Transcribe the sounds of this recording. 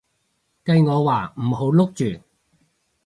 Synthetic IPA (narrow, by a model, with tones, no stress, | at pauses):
kɐ˧jŋɔː˨˧waː˨˩m̩˨˩ho˨˥wlʊ˥k̚t͡ʃyː˨˩